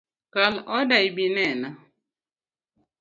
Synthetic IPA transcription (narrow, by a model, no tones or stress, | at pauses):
kalɔdaibinɛna